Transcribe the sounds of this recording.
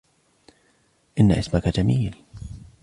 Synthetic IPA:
ʔɪnːa̰ʔɪsmakad͡ʒamiːl

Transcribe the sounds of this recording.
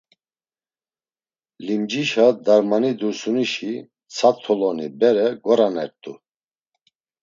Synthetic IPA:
limd͡ʒiʃad̪aɾmanid̪uɾsuniʃi | t͡sʰat̪ʰːɔlɔnibɛɾɛɡɔɾanɛɾt̪ʼu

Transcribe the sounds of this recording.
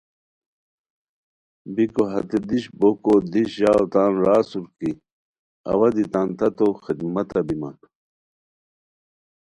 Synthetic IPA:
bikoɦɐ̰t̪ed̪iɕbokod̪iɕjaːwt̪aːnɾaːsuɾki | ɐ̰wɐd̪it̪aːnt̪ɐt̪oxid̪mɐt̪ɐbimɐ̰n

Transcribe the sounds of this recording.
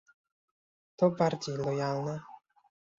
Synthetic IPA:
t̪ɔbaɾd͡ʑejlɔjalnɛ

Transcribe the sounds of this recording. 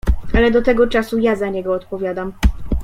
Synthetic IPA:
ʔalɛd̪ɔt̪ɛɡɔt͡ʂasujazaɲɛɡɔːt̪pɔvʲjad̪am

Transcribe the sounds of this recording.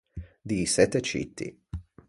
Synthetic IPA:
d̪isɛt̪ːet͡ʃḭt̪ːḭ

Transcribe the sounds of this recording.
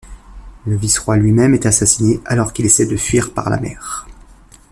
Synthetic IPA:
ləvisχwalɥimɛmɛt̪asasineʔalɔʁkilesɛd̪əfɥiʁpa̰ʁla̰mɛ̰ːʁ

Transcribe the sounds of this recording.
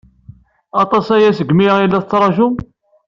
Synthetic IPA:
ɑt̪ˤɑsæjæsəɡmiilːæθət͡sːɾˤɑʒum

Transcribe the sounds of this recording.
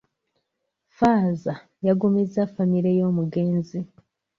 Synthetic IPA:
faːza | jaɡumizafamiɾejo̞ːmuɡe̞ːnzi

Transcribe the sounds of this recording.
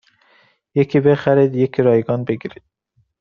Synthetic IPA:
jekʰibexæɾiːd̪jekʰiɾɒːjeɡɒːnbeɡiɾid̪̥̚

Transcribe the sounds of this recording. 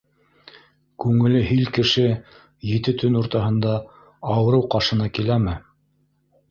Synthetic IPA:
kʉŋɘ̆lɘɦilkɘ̆ʃɘ | jɘ̆t̪ɘt̪ɵnuɾt̪ɑɦɤ̆nd̪ɑ | ɑwɤ̆ɾɤwqɑʃɤ̆nɑkilæmɘ

